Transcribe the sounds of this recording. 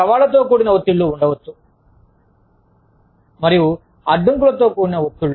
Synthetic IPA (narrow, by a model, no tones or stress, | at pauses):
ɐʋaːlɐt̪o̞ːkuːɽinɐʋot̪ːuɭːuːɳɖɐʋɐt̪ːu | mɐɾiju | ɐɖːuŋkulɐt̪o̞ːkuːɽinɐot̪ːuɭːu